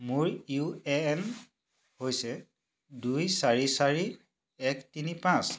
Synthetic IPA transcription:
muɹuɛn | hojsɛ | dujsaɹisaɹi | ɛktinipãs

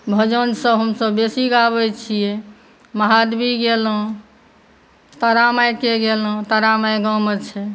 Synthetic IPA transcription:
bʱəd͡ʒənsəɦəmsəbːesiɡabɛt͡ʃʰije | məɦad̪biɡel̃ | t̪əɾamajkeɡelɦə̃t̪əɾamajɡəmət͡ʃʰɛ

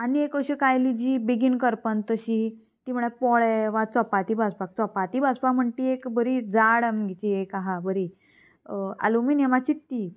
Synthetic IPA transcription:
aniekəɕikajlid͡ʑibiɡinkəɾpənt̪əɕi | t̪im̤əɭ̃epɔɭɛʋat͡sɔpat̪iːbʱad͡zpak̚t͡sɔpat̪iːbad͡zpakm̤əɳʈiekbʱəɾid͡zaɽəmɡit͡ɕiekaɦabəɾi | a̰lumiːnɛmat͡ɕit̪ːiː

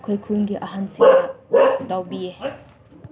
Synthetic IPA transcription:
kʰojkʰunɡiʔɐɦansiadawbie

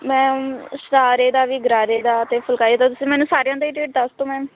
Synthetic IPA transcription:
mɛ̃ːsɾaːɾeːd̪aːʋiːɡɾaːɾeːd̪aːət̪eːpʰəlkaːieːt̪õːt̪ʊsĩːmɛːnũːsaːɾejãːd̪aːiːʈeːʈ̚d̪əst̪õːmɛ̃ː

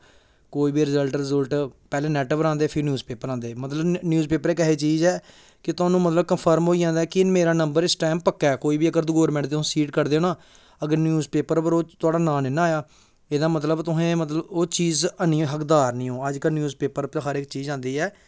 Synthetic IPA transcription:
koːiːbiːɾɪzəlʈɾɪzəlʈpɛːlẽːnɛːʈəʋəɾãːnd̪eːpʰɪɾnjuːzpeːpəɾãːnd̪eːmət̪ləbnjuːzpeːpəɾeːk̬əɦeːt͡ʃiːzɛː | kɪt̪ʊaːnũːmət̪ləb̚kəmpʰəɾmɦoːid͡ʒãːnd̪aːɛːkɪɪnmeːɾaːnəmbəɾɪsʈɛːmpəkːɛːkoːiːbiːəɡəɾd̪ʊɡoːɾmɛ̃ːʈd̪ẽːsiːʈkəɾd̪eːoːnaː | əɡəɾnjuːzpeːpəɾpəɾoːt̪ʊaːɖaːnaːnɪnaːjaː | eːd̪aːmət̪ləbt̪ʊɦẽːmət̪ləboːt͡ʃiːzənĩːɦəkd̪aːɾnĩːõːəd͡ʒkənjuːzpeːpəɾɦəɾɪkt͡ʃiːzãːnd̪iːɛː

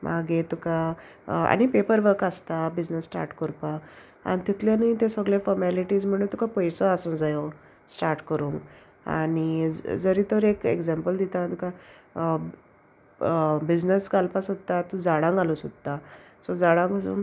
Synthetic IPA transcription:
mʔaɡẽt̪uka | a̰ɽ̃ipepəɾʋəɾkast̪abid͡znəsːʈa̰ɾʈkɔɾpa | a̰nit̪it̪ljanit̪ẽsɔɡɭefɔɾmɛliʈiːd͡zm̤əɽ̃unt̪ukapɔjsɔasũnd͡zajo | sʈaɾʈkəɾuːŋɡ | a̰ɽid͡zəɾiːt̪əɾekḛɡd͡zɛmpəld̪it̪at̪uka | bid͡znəskalpasod̪̚t̪ːat̪ũd͡zaɽãŋɡalosod̪̚t̪a | sɔd͡zaɽãŋɡəsṵːn

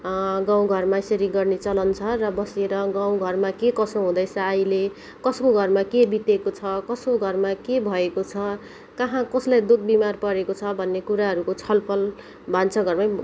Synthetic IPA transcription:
ɡãw̃ɡʱʌrmaisʌɾiɡʌrnet͡sʌlʌnt͡sʰʌrʌbʌseɾʌɡaw̃ɡʱʌrmakekʌsõɦũd̪ʌjt͡sʰʌːjle | kʌskoɡʱʌrmakebit̪ekot͡sʰʌkʌskoɡʱʌrmakebʱʌekot͡sʰʌ | kʌɦãkʌslajd̪ud̪̚bimarpʌɾekot͡sʰʌbʱʌnːekuɾaɦʌɾukot͡sʰʌlpʰʌl | bʱant͡sʰʌɡʌrmaj

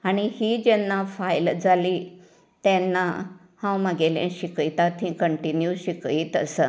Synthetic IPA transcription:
aɽ̃ihiːd͡ʑɛnːafajld͡zʱali | t̪ɛ̃nːa | hãwməɡeljḛ̃ɕikəjt̪at̪ɦĩkəɳʈinjuɕikiːt̪əsə

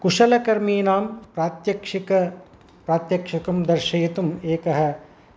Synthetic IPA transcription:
kuʃɐlɐkɐɾmiːnaːmpɾaːt̪jɐkʂikɐ | pɾaːt̪jɐkʃɐkɐmd̪ɐɾʃɐjit̪umeːkɐɦɐ̆

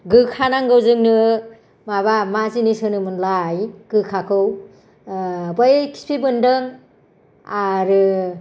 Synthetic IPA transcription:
ɡɯkʰanaŋɡɯwzɯŋnɯ | mabamazinisɯnɯmɯnlajɡ̥ɯkʰakʰɯw | bajkʰi̥spʰibɯndɯŋ | aɾɯ

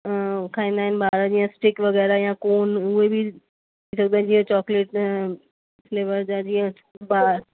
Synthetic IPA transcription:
kʰaːĩːnd̪aːɦɪnɪ̆baːɾəd͡ʑiːãsʈɪkʋɐɣɛːɾajãkoːnʊɦebʱi | t̪ʰiːsɐɡ̚d̪ãd͡ʑiːə̃t͡ɕɔːkleːʈ | fleːʋəɾd͡ʑãd͡ʑiːə̃ | baːɾ

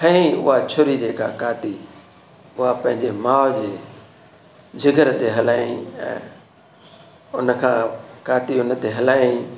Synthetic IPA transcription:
ɦʰɐ̃ĩʊ̰ɦat͡ɕʰʊɾid͡ʑeːka̰kaːt̪i | ʊɦapɐ̃ɦɪ̃ɲd͡ʑemaːd͡ʑeː | d͡ʑʱɪɡəɾt̪eɦɐlaːĩɛ̰̃ː | ʊn̆kʰãːkaːt̪iʊnt̪eɦɐlaːĩ

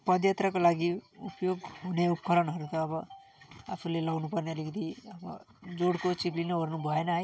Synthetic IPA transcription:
pʌd̪jat̪ɾakolaɡiupjoɡɦuneupkʌɾʌnɦʌɾut̪ʌːbʌ | a̰pʰulelʌɡnupʌɾneʌlikid̪iʌbʌ̰ | d͡zoɽkot͡ʃiblinʌoɾnubʱʌenʌɦaj

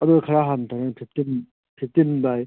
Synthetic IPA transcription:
ɐduɡakʰaɾaɦantʰanaŋpʰip̚tim | pʰip̚timdaj

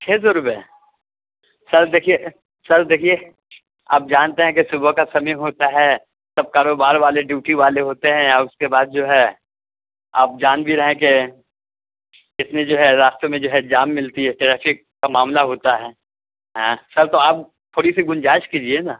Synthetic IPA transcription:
t͡ʃʰeːs̬oɾʊbɛɛ | sɐɾd̪eːkʰie | sɐɾd̪eːkʰie | a̰ːp̚d͡ʒaːnt̪eɦɛ̃kesʊbʱəkasɐmiɦoːt̪aɦɛː | sɐb̚kaːɾoːbaːɾʋaːleɖuːʈiʋaːleɦoːt̪eɦɛ̃ɔːɾʊskebaːd̪̚d͡ʒoːɦɛ | a̰ːp̚d͡ʒaːnbʱiɾɐɦẽke | ɪt̪nẽd͡ʒoːɦɛɾaːst̪omẽd͡ʒoːɦɛd͡ʒaːmːɪlt̪iɦɛʈɛɾɛːpʰɪkːamaːmlaɦoːt̪aɦɛː | ɦãsɐɾt̪oaːp̚ | t̪ʰːoːɽisiɡʊ̃nd͡ʒaːɪʃkiːd͡ʒienaː

